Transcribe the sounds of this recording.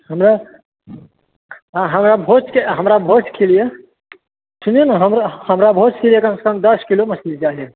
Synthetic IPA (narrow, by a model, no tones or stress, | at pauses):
həmɾa | ɦəmɾabʱot͡ʃkeɦəmɾabʱot͡ʃkʰelije | suninɦəmɾhəmɾabʱot͡ʃkelijekɐmse̥kə̃md̪əskiloməsild͡ʒaɦe